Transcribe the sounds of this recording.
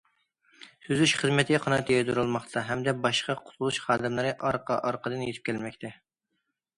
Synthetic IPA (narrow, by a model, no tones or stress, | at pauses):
sʰyzyʃχəzmɪt̪ʰɪqʰɑnɑt̪ʰjɑjd̪uɾulˠmɑχt̪ʰɑɦɛmd̪ɛbɑʃqɑqʰʊ̥t̪ʰʊlˠuʃχɑːd̪ɪmlˠɨɾɨʔɑɾqʰɑʔɑɾqəd̪ɨnjet̪ʰɪp̚kʲʰɛlmɛkʲt̪ʰɛ